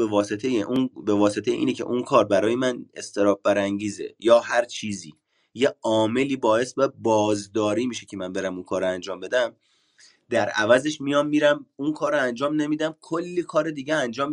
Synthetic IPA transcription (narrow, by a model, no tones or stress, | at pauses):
bevɒːse̞t̪ʰejeʔunbevɒːse̞t̪ʰejeʔḭːnecʰe̞̰ʔunkʰɒːɾbæɾɒːje̞mænest̪ʰe̞ɾɒːb̚bæɾæŋɟiːzḛjɒːhæɾt͡ʃʰiːzḭː | jeɒːme̞liːbɒːe̞sbæbɒːzd̪ɒːɾiːmiːʃe̞cʰe̞mænbe̞ɾæmunkʰɒːɾoænd͡ʒɒːmbe̞d̪æm | d̪æɾævæze̞ʃmijɒːmːiːɾæmunkʰɒːɾoænd͡ʒɒːmne̞miːd̪æmkʰolːiːkʰɒːɾed̪iːɟeænd͡ʒɒːm